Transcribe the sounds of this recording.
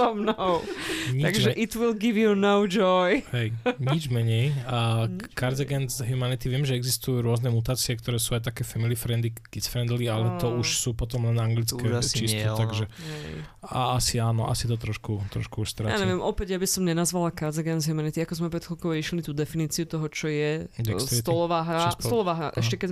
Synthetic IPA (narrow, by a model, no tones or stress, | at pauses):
ɔmnɔʊɲiaɡʒɛʔit̪wilɡiʋjunɔʊd͡ʒɔjhɛjɲid͡ʒmɛɲɛjəkaɾd͡zɛɡɛnzɦumanit̪iʋɪɛmʒɛɛɡzist̪ujuːɾʊɔznɛmut̪aːt͡siɛkt̪ɔɾɛːsuajt̪akɛːfamilifɾɛnd̪iɡ̥it͡sfɾɛnd̪lialɛt̪ɔuʃsuːpɔt̪ɔmlɛnaŋɡlit͡skɛt͡ʃist̪ɛt̪aɡʒɛɛja̰asiaːnɔ̰ʔa̰sit̪ɔt̪ɾɔʃkut̪ɾɔ̰ʃkuuʃst̪ɾaja̰ːɲɛʋɪɛmʔɔpɛɟjabisɔmɲɛnazʋalakaɾd͡zɛɡɛnzɦumanit̪iakɔzmɛpɾɛt̪klɔkɔʊiʃlit̪uːd̪ɛfiniːt͡siut̪ɔɦɔt͡ʃɔjɛd̪ɛkst̪ɾt̪lɔʋaɦɾasst̪ɔlɔʋaːɦɾa̰ʔɛ̰ʃcɛkɛ